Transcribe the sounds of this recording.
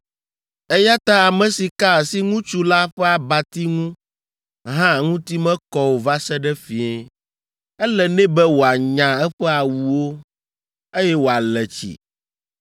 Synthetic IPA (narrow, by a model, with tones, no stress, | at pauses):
ɛ˦ja˦t̪a˦a˨mɛ̃˨si˨ka˦˨si˦ŋũ˦t͡ʃu˦la˦ɸɛ˦a˨ba˨t̪i˦ŋũ˦ | ɦã˦˨ŋũ˦t̪i˦mɛ̃˦kɔ˦wo˨va˦sɛ˦ɖɛ˦fi˨ɛ˨ | ɛ˦lɛ˨nɛ̃˦bɛ˦wo˨a˨ɲã˨ɛ˦ɸɛ˦a˨wu˨wo˦ | e˦jɛ˦wo˨a˨lɛ˨t͡ɕḭ˨